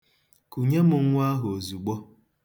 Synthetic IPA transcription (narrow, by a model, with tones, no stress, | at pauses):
ku˨ɲe˦mʊ˨ŋ̩ʷ˦a˦ɦo˨zu˨ɡ͡bɔ˦